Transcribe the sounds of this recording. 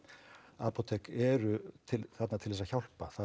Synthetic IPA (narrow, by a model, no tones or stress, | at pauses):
apot̪ʰɛkɛɾʏt̪ʰɪθat̪nat̪ʰɪlðɛsaçawl̥paθa